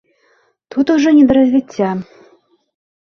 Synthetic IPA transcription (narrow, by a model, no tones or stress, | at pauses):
t̪ut̪uʐɔnʲɛd̪ɐɾɐzʲvʲit͡sʲːa